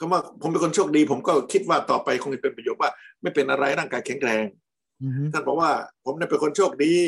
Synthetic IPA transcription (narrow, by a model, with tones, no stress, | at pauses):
kʰa˧˥˦waː˥˩pʰo˨˦mp̬e˧nkʰo˧nt͡ɕʰoː˥˩k̚diː˧pʰo˩˦mkɔː˥˩kʰi˦˥t̪̚waː˥˩t̪ɔː˨˩pa˧jkʰo˧ŋe˦˩pe˧pɾjoː˨˩t̚waː˥˩ma˥˩jpe˧nʔa˧ɾa˧jɾaː˥˩ŋkaː˧jkʰɛ˩˦ŋkɾɛː˧ŋ | t̪ʰa˥˩nbɔː˨˩k̚waː˥˩pʰo˨˦mni˥˩pe˧nkʰo˧nt͡ɕʰoː˥˩k̚diː˧